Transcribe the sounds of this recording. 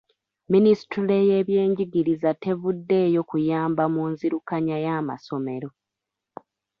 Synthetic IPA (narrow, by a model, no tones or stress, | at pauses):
minisi̥tule̞je̞βje̞ːɲɟiɡiɾizate̞vudːe̞ːjo̞kujaːmbamuːnziɾukaɲajaːma̰so̞me̞ɾo̞